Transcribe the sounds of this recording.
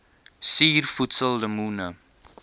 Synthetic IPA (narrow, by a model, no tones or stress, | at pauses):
siːrfutsəlːəmuːnə